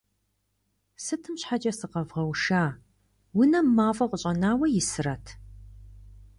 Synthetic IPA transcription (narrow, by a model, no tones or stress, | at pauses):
sɨtʰɨmɕħat͡ʃʼɐsɨqɐvʁɐwʃaː | wʊnɐmaːfʼɐqʷʊɕʼɐnaːwɐjɪsɨrɐtʰ